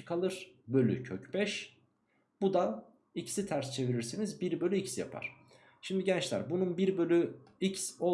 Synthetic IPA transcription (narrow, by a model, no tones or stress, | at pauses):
kʰalˠɯɾ̥bø̞lʲy̰cʰøcbɛʃ | b̥ud̪an | icʰi̥sit̪ʰæɾst͡ʃʰe̞viɾiɾsinizbiɾbølʲyicsja̰pʰa̰ɾ̝̥ | ʃimd̪iɟɛnt͡ʃlʲæ̰ɾbununbiɾbø̞lʲyicso